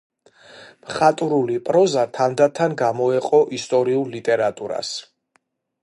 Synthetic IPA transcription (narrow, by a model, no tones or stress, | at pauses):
mχat̪ʼuɾulipʼɾɔzat̪ʰand̪at̪ʰanɡamɔɛqʼɔʔist̪ʼɔɾiullit̪ʼɛɾat̪ʼuɾa̰s